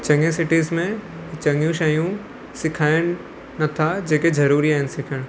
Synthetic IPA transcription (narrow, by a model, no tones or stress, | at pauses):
t͡ʃɐ̃ŋɡẽsɪʈiːzmẽ | t͡ɕɐŋjũʃaːijũ | sɪkʰaːɪɽ̃ | nɐt̪ʰad͡ʑeːkezɐɾuːɾiaːɦɪnɪ̆sɪkʰəɽ̃